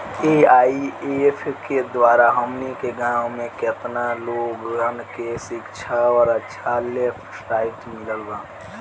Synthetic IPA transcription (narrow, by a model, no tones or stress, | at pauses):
eaiepʰked̪waːɾaɦəmnikeɡãwmẽket̪naloɡɡənkesɪkt͡ʃʰaɔːɾətːʃʰalepʰsʈaːɪʈmɪləlɡa